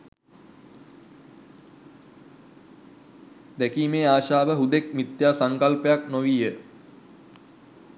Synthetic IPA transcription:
d̪ækiːmeːaːʃaːʋəɦud̪ek̚mit̪jaːsaŋkalpəjaknoʋijə

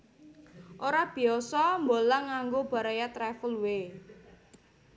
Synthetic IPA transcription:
ʔoɾab̥i̤ɔsɔmbolaŋaŋɡob̥a̤ɾajat̪ɾɛfəlwe

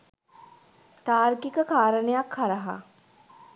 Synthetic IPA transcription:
t̪aːɾɡikəkaːɾənəjakhaɾəɦa̰

